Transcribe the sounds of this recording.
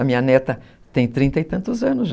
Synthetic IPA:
ɐmĩɲɐnɛt̪ɐ | t̪ẽj̃t̪ɾĩnt̪ɐɪt̪ɐ̃nt̪ʊzɐ̃nʊzʒ

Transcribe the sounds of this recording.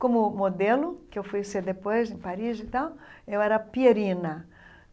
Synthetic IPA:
kõmʊmod̪elʊkewfujsed̪epojzẽj̃paɾizit̪awewɛɾɐpieɾĩnɐ

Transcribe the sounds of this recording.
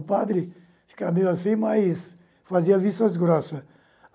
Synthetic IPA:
pad̪ɾɪ | ʃkamelɐsẽj̃majs | faziɐvist̪ɐsɡuɾɔsɐ

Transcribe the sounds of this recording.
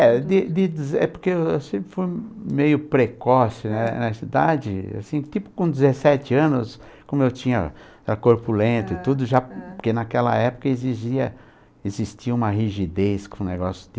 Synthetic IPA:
ɛd̪id̪id̪zɛ̰poɾkeewewsẽmpɾɪfujmejʊpɾekɔsʊnɛnɐsid̪ad͡ʒɪ̰a̰sĩt̪ipʊ̥kõd̪ɪzesɛt͡ʃɪɐ̃nʊs | kõmʊewt͡ʃĩɲɐ̰ | ɛɐkoɾpulẽnt̪ʊt̪ud̪ʊʒaɾkɪnɐkɛlɐ̰ɛpʊ̥kɐeziʒiɐ | ezist͡ʃiɐũmɐɦiʒid̪eskõneɡɔsjʊ̥d̪

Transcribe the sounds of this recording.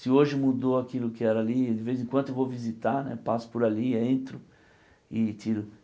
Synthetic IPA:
sɪoʒɪmud̪oakilʊkɪɛɾɐalid̪ɪvejzẽkwɐ̃t̪ʊewvovizit̪aɾnɛ̰pasʊ̥pʊɾaliẽnt̪ɾʊ | ɪt͡ʃiɾʊ

